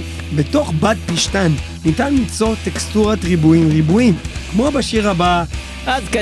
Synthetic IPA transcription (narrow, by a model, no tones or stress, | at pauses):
be̞to̞χbat̚piʃtanː | itanlit͡so̞t̪ekstuʁatʁibuimʁibuimkmo̞baʃiʁaba | ʔad̪ka